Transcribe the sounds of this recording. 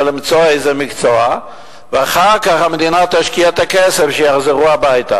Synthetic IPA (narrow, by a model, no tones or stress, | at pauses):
limt͡so̞ejzemikt͡soa | veaχaʁkaχhamed̪inat̪aʃkiat̪akese̞fʃejaχzeʁuabajt̪a̰